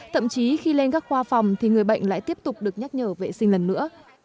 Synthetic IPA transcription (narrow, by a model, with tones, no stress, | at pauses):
t̪ʰə̰˧˨mt͡ɕi˨˦xi˧le˧nkaː˦˥k̚xwaː˧fa˨˩wŋ͡mt̪ʰi˨˩ŋɨ˨˩əjɓə̰˧˨jŋ̟la̰ː˧˨jt̪i˦˥əp̚t̪ʊ˨˩k͡p̚ɗɨ˨˩ək̚ɲa˦˥t̚ɲəː˧˩vḛ˧˨sï˧ŋ̟lə˨˩nːɨ̰˧˥ə